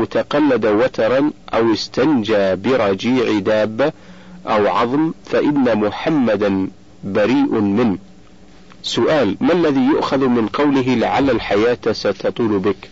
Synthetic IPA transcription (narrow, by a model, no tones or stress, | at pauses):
ʔwt̪aqɑlːad̪awat̪ɑɾˤɑnʔawɪst̪and͡ʒaːbɪɾˤɑd͡ʒiːʕd̪aːbːa | ʔawʕɑðˤmfaʔɪnːamʊħamːad̪a | baɾiːʔmɪn | sʊʔaːlmalːaðiːjʊʔxaðmɪnqɑwlɪɦɪlɪʕalːalħajaːt̪sat̪ɑt̪ˤuːlbɪk